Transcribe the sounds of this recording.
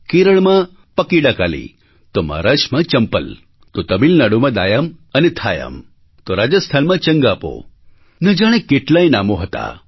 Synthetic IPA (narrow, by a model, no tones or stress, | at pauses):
kiɾəɭ̃mã | pəkiɽaka̰lḭ | t̪oma̰ɾaʃmãt͡ʃəmpə̰l | t̪ot̪əbilnaɽomãd̪ajəmənet̪ʰajə̰m | t̪oɾad͡ʒəst̪ʰanmãt͡ʃəŋɡapo̰ | nəd͡ʒaɽ̃ẽkeʈlainamoɦət̪a̰